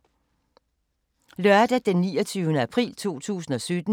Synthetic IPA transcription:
lœɐd̥æd̥enːiːɒt͡sʰyːʊnəæpʰʁḭːlt͡sʰo̝̰ːt͡sʰṵːsn̩ɒ̽sød̥n̩

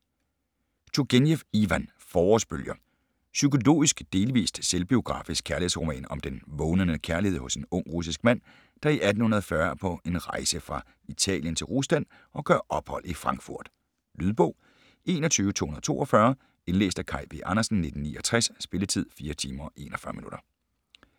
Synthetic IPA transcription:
t͡sʰuɡ̥enjefiʋæn | fɒːɒsb̥øljɐ | sykʰo̝lo̝̰ːisɡ̥d̥e̝ːlʋḭːsd̥selb̥io̝ɡ̥ʁɑ̰̈ːfisɡ̥ʰæɐlihḛsʁo̝mɛ̰ːnɒ̽md̥enʋɔːnənəkʰæɐlihe̝ð̰ˠhɔ̽se̝nɔ̽ŋ̰ʁus̬isɡ̥mæn̰ | d̥ɑ̈iʔæd̥n̩hunɐð̞̩ˠfɶɐpʰɒ̽e̝nʁɑ̈ɪsəfʁɑ̈ | it͡sʰɛ̰ːljənt͡sʰe̝lʁusd̥æn̰ | ɒ̽ɡ̥ɶɐ̰ʔɒ̽b̥hɒ̽l̰ifʁɑ̈ŋɡ̥fuɐ̰d̥ | lyðˠb̥ɔ̽ʊ̰ | e̝ːnɒ̽t͡sʰyːʊət͡sʰo̝̰ːhunɐð̩ˠt͡sʰo̝̰ːʔɒ̽fɶːɐ | e̝nlḛːsd̥ækʰɑ̈ɪ̰ʋeʔɑ̈nɐsn̩ne̝d̥n̩nḭːɒ̽t͡sʰʁɛssb̥e̝lət͡sʰið̞̰ˠfiːɐt͡sʰiːmɐʔe̝̰ːnɒfɶɐminuɾɐ

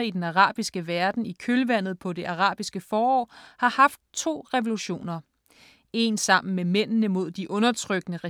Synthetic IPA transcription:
id̥enɑʁɑ̈ːb̥isɡ̥əʋæɐd̥n̩ikʰølʋæn̰ð̞̩ˠpʰɒ̽de̝ʔɑ̈ʁɑ̰̈ːb̥isɡ̥əfɒːɒ̰ːhɑ̈hɑ̈fd̥̚t͡sʰo̝̰ːʁɛʋo̝luɕo̝̰ːnɐ | e̝nsɑ̈m̰n̩memen̰nəmo̝ð̞̰ˠd̥iʔɔ̽nɐt͡sʰʁœɡ̥nəʁɛ

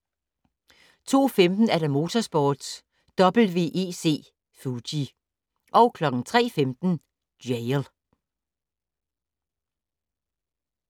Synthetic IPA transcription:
t͡sʰo̝̰ːfemd̥n̩æɐɾ̥ɑ̈mo̝ːt͡sʰɒsb̥ɒːd̥s | d̥ɒ̽b̥l̩ʋe̝̰ːʔe̝̰ːse̝̰ː | fudi | ʔɒ̽ʊkʰlɒ̽ɡ̥ŋ̩t͡sʰʁɛ̰ːfemd̥n̩̥ | eɪl

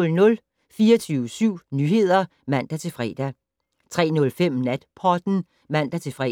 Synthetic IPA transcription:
lnɔ̽l | fiːɐt͡sʰyːʊəsyʊ̰nyːhe̝ð̞̰ˠɐ | mæn̰d̥æt͡sʰe̝lfʁɛ̰ːd̥æ | t͡sʰʁɛ̰ːnɔ̽lfem̰næd̥pʰɒd̥n̩ | mæn̰d̥æt͡sʰe̝fʁɛ

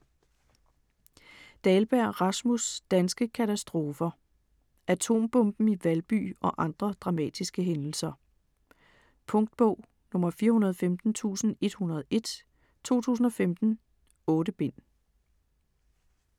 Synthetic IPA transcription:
d̥ɛːlb̥æɐ̰ʁɑ̈smusd̥ænsɡ̥əkʰæt͡sʰæsd̥ʁo̝ːfɐ | ʔæt͡sʰo̝̰ːmb̥ɔ̽mb̥n̩iʋælb̥y̰ːɒ̽ʔɑ̈nd̥ʁɐd̥ʁɑ̈mɛ̰ːd̥isɡ̥əɦenl̩sɐ | pʰɔ̽ŋd̥b̥ɔ̰̽ʊ̰ | nɔ̽mɐfiːɐhunɐð̞ˠfemd̥n̩t͡sʰṵːsn̩e̝d̥hunɐð̞̩ˠʔe̝d̥ | t͡sʰo̝̰ːt͡sʰṵːs̬n̩ɒ̽femd̥n̩ | ɔ̽ːɾəb̥e̝n̰

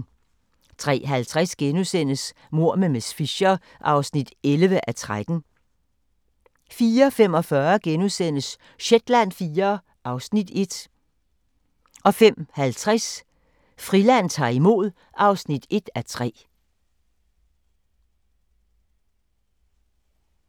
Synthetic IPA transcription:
t͡sʰʁɛ̰ːɦælt͡sʰʁasɡ̥enusen̰əs | mo̝ɐ̰memesfiɕɐ | ʔɑ̈ʊsnid̥elʋəʔæt͡sʰʁad̥n̩ | fiːɐfem̰ɒ̽fɶɐɡ̥enusen̰əs | ɕed̥læn̰fiːɐ | ʔɑ̈ʊsnid̥e̝d̥ | ʔɒ̽fem̰hælt͡sʰʁɛs | fʁilæn̰t͡sʰɑ̰̈ːimo̝̰ð̰ˠ | ʔɑ̈ʊsnid̥e̝d̥æt͡sʰʁɛ̰ː

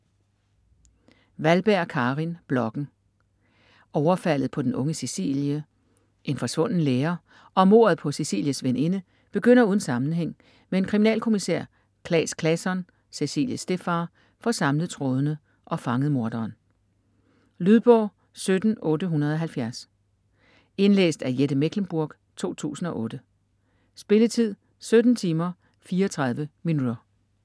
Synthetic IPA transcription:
ʋælb̥æɐ̰kʰɑ̈ːʁinb̥lɒ̽ɡ̥n̩ | ɒʊɐfæl̰ð̞̩ˠpʰɒ̽d̥enɔ̽ŋəsesḭljə | ʔe̝nfɒ̽sʋɔ̽n̰n̩leːɐ | ʔɒ̽mo̝̰ɐð̞̩ˠpʰɒ̽sesḭːljəsʋene̝nə | b̥e̝ɡ̥øn̰ɐuːð̞ˠn̩sɑ̈mn̩ɦeŋ̰ | mee̝nkʰʁiminɛ̰ːlkʰo̝miseɐ̰ | kʰlɛ̰ːskʰlæsɒ̽n | se̝sḭːljəsd̥e̝fɑ | fɒ̽sɑ̈mləð̩ˠt͡sʰʁɔð̞ˠənə | ʔɒ̽fɑ̈ŋəð̞̩ˠmo̝ɐd̥ɐːn | lyð̞ˠb̥ɒ̰ː | sød̥n̩ɔ̽ːdəɦunɐð̞ˠɒɦælfjæɐs | e̝nlḛːsd̥æɐjeɾ̥əmeɡ̥lemb̥uɐɡ̥ | t͡sʰo̝̰ːt͡sʰṵːsn̩ɒ̽ʔɔ̽ːd̥ə | sb̥e̝lət͡sʰið̞̰ˠ | sød̥n̩t͡sʰiːmɐ | fiːɐɒt͡sʰʁɑ̈ð̞ˠʋəminudɐ

